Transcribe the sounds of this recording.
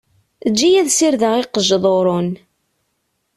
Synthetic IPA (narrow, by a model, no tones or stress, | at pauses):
əd͡ʒːijæðsiɾðəʁɪqəʒðˤoɾˤon